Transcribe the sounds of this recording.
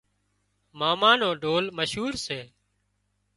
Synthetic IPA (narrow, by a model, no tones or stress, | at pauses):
maːmaːnoːɖʱoːlməʃɦuːɾseː